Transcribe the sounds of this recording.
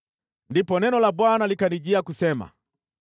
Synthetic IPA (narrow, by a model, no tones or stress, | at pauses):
ndipɔnɛnɔlabwanalikaniʄiakusɛma̰